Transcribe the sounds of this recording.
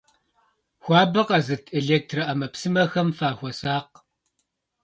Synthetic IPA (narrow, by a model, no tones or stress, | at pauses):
xʷɑːbɐqɐzɨtʰeɮeːk̚tʰrɐʔɐmɐpsɨmɐxɐmfaːxʷɔsaːq